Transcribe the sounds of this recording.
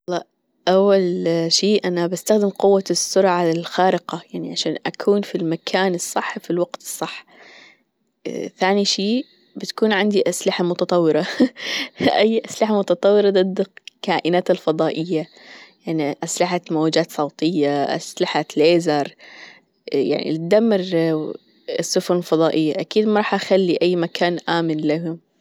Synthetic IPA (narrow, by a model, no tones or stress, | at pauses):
lːɑː | ʔawːalʃiːʔanabast̪axd̪ɪmqʊwːasːʊɾˤʕalxaːɾɪqajaʕniʕaʃaːnʔakʰuːnfilmakʰaːnɨsˤːɑħːfilwaɡt̪ɨ̥sˤːɑħː | θaːniʃiː | bɪt̪ḁkuːnʕɪnd̪iʔaslɪħamʊt̪ɑt̪ˤɑwːɪɾˤɑ | ʔajːʔaslɪħamʊt̪ɑt̪ˤɑwːɪɾˤɑd̪ˤɨd̪kaːʔɪnaːt̪ɪlfɑðˤɑːʔɪjːa | jaʕniʔaslɪħat̪moːad͡ʒaːt̪sˤɑwt̪ˤɪjːaʔa̰slɪħat̪leːzɑɾˤ | ja̰ʕnḭlɪd̪amːɪɾ | sːʊfʊnɪlfɑðˤɑːʔɪjːaʔakiːd̪mɑɾˤɑːħʔaxalːiʔajːmakʰaːnʔaːmɪnlaɦʊm